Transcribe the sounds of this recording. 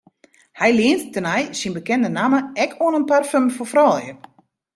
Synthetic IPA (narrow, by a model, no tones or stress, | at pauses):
hɛjlɪənttənajsinbəkɛndənaməɛkʰoənənparfømfofrɔlˠjə